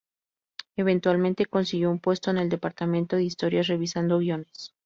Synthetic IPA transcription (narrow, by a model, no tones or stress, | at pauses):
e̞β̞e̞nt̪walmẽnt̪e̞ko̞nsiɣjoumpwe̞st̪o̞ene̞ld̪e̞paɾt̪amẽ̞nt̪o̞ðeist̪o̞ɾjasre̞βisand̪oβjo̞nes